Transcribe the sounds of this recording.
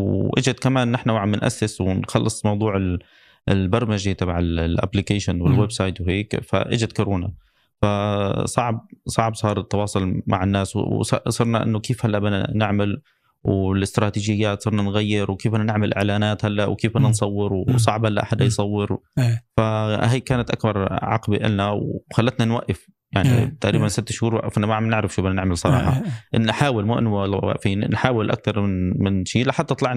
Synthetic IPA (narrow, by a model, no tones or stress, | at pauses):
wʔɪd͡ʒad̪kamaːnːɪħnawʕamːɪnʔa̰sːɪswɪnxɑlːɨsˤmɑwd̪ˤuːʕɪl | ɪlbɑɾˤmɪʒit̪ˤɑbʕallʔa̰blikaːʃʊnwɪlwebsɑːjt̪wɦeːkfa̰ʔɪ̰d͡ʒɪd̪kʊɾoːna̰ | fasˤɑʕb̚sˤɑʕbsˤɑːɾˤɪt̪ːɑwɑːsˤʊlma̰ʕɪnːaːswsɑsˤɑɾˤnaʔɪ̰nːʊkeːfhalːaʔbɪna̰nɪʕmal | wlɪst̪ɾɑːt̪iːʒɪjːaːt̪sˤɑɾˤnanɣajːɪɾwkeːfʔanːanɪʕmɪlʔɪ̰ʕlaːnaːt̪halːaʔwkeːfʔanːansˤɑwːɪɾwsˤɑʕbhalːaʔaħad̪ajsˤɑwːɪɾfaɦajkaːnat̪ʔakbɑɾˤʕɑ̰qbiʔɪ̰lnawxalːat̪nanwaʔːɪf | jaʕnḭt̪aʔɾiːbansɪt̪ːɪʃhuːɾwaʔːɪ̰fnamaʕnɪʕɾɪfʃiːbɪnanɪʕmɪlsˤɑɾˤɑ̰ːħɑ̰ʔɪnħaːwɪlmuʔnlwa̰ʔfiːnnħaːwɪlʔa̰k̚t̪ɑɾˤmɪnmɪnʃiːlaħad̪ːɑt̪ˤlɑʕn